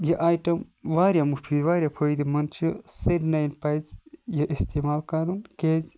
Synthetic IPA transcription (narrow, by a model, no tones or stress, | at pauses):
jɐʔaːjʈɐmʋaːɾʲjamupʰiʋaːɾʲjapʰojd̪imɐnt͡ʃʰjoseɾnajnpɐjzjɐʔist̪emaːlkɐɾunkeːz